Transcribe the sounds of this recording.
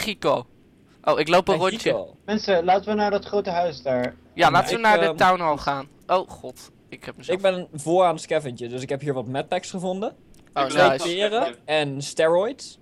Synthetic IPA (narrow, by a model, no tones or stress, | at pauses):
χiko | ʔowɪklowpərɔno̰mɛnsəlaːtəʋənaːdɑtχrowtəɦœɥsdaːɹ | jalaːtəʋənaːɹdətawnɦɔlˠχaːn | ʔowχɔt | ɪkɛpməzɪɡbɛnənvʊːɹaːnskɛvənt͡ʃədɵsɪkɦɛpɦiːɹʋɑtmɛt̚pɛksχəvɔndə | onojsɪːrəɛnstɛɹɔjt